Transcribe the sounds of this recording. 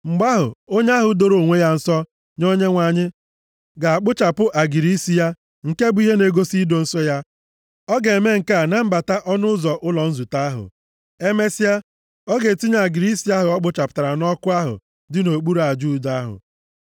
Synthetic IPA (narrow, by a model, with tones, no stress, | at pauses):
ŋ͡m̩˨ɡ͡ba˦ɦʊ̰˨o˦ɲe˦a˦ɦʊ˨˦do˨ɾo˨ŋʷe˦ja˦n̩˨sɔ˦ | ɲo˦ɲe˦ŋʷa˨ɲɪ˦ | ɡa˨a˨k͡pʊ˦t͡ʃa˨pʊ˦ʔa˨ɡi˨ɾi˦si˦ja˦ | ŋ̩˨ke˦bʊ˦i˦ɦe˦ne˨ɡo˦si˦do˨n̩˦sɔ˦ja˦ | ɔ˦ɡe˨me˦ŋ̩˨ka˦˨na˦m̩˦ba˨ta˦ʔɔ˦nʊ˦zɔ˨ʔʊ˦lɔ˨n̩˦zu˨ta˦a˦ɦʊ̰˨ | e˦me˦sa˦ | ɔ˦ɡe˨ti˦ɲ˨a˨ɡi˨ɾi˦si˦a˦ɦʊ˨ɔ˦k͡pʊ˦t͡ʃa˨pʊ̥˨ta˨ɾa˨nɔ˦kʊ˦a˦ɦʊ̰˨ | dɪ˦no˨k͡pu˦ɾa˨d͡ʒu˦˨da˦ɦʊ̰˨